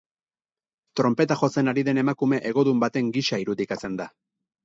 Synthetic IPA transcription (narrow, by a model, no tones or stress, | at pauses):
t̪ɾo̞mpe̞t̪axo̞se̞naɾiðe̞ne̞makume̞ʔeɣ̞o̞ðumbat̪e̞ŋɡiʃaiɾuðikat͡se̞nd̪a